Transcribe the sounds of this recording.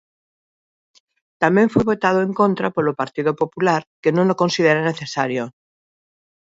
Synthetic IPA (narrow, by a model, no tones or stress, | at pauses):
t̪amẽɱfweβot̪að̞oẽŋkõnt̪ɾapolopaɾt̪iðopopulaɾkenõlokonsið̞eɾaneθesaɾjo